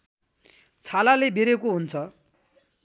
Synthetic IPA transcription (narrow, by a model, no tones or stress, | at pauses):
t͡sʰalalebeɾekoɦunt͡sʰʌ